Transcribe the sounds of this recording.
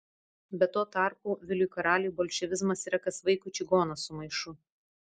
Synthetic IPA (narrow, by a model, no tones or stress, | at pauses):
bʲɛt̪ːoːt̪ɑˑɾpuːʋʲɪlʲʊjkɐɾɑːlʲɪjuːbɔːlʲʃʲɛʋʲɪzmɐsiːɾɐkɐsʋɐɪkʊːˑt͡ʃʲɪɡoːnɐsʊmɐɪʃʊ